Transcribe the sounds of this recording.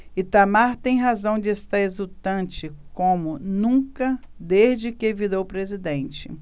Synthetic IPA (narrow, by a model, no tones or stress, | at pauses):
ɪt̪amaɾt̪ẽj̃ɦazɐ̃w̃d͡ʒɪɛst̪aɾezut̪ɐ̃nt͡ʃɪkõmʊnũkɐd̪ezd͡ʒɪkɪvid̪owpɾezid̪ẽnt͡ʃɪ̰